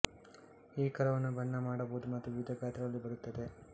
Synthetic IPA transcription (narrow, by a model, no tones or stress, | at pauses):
iːkɐɾɐʋɐnːubɐnːɐmaːɽɐboud̪umɐt̪ːuʋiʋid̪ʱɐkaːt̪ɾɐɡɐlːibɐɾut̪ːɐd̪e̞